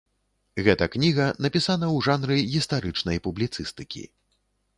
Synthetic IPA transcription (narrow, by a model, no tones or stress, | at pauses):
ɣɛt̪ɐknʲiɣɐnɐpʲisanɐwʐanɾɨɣʲist̪aɾɨt͡ʂnɐjpublʲit̪sɨst̪ɨkʲḭ